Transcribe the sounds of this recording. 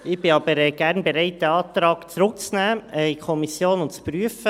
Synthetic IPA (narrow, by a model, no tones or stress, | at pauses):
ɪb̥ɪɑbəɾɛɡ̥æɾnbɛɾɛɪt̚dɛɑːt̪ɾɑːkt͡sɾʊk̚t͡snæːɛjkʰɔmisjoːnʊntt͡spɾyəfə